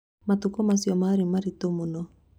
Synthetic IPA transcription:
matukɔmasjɔmaːɾemaɾitomonɔ

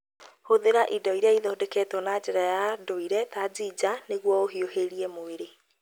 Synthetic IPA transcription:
hoðeɾaʔidɔiɾeaiðɔodɛkɛːtɔnad͡ʒɛɾajadoiɾɛtaziːd͡ʑaneɣwɔoɦioheɾiɛmoeɾe

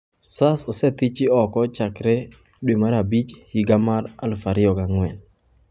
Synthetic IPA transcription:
sasɔsɛt̪it͡ʃɪɔkɔt͡ʃakɾɛ | ɗwemaɾabit͡ʃhiɡamaɾa̰lfaɾɪɔkaŋwɛn

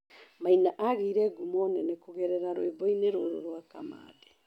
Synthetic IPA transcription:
majnaʔaːɡiɾeɡumonenekoɡeɾeɾaɾoebojneɾoːɾo̰ɾoakama̰ːde

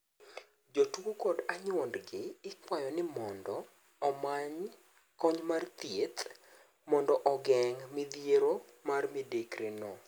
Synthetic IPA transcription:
d͡ʒotwokɔdaɲwɔndɡɪɪkwajɔnɪmɔndɔː | maɲ | kɔɲmart̪jet̪ | mɔndɔʔɔɡɛŋmɪd̪jeɾo | marmidekɾenɔ

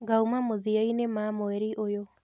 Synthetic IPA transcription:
ɡaumamoðiainemamoɛɾiʔojo

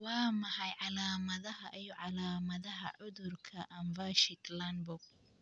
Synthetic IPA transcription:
wɑːmɐħɑjʕɑlaːmɐðɐɦɐʔijɔʕɑlaːmɐðɐɦɐ̰ʕʊðʊrkʰɐʔɐmvaʃɪt̪lanbʊk̚

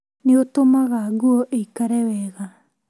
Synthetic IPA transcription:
neotomaɣaɣuɔʔeikaɾɛwɛɣa

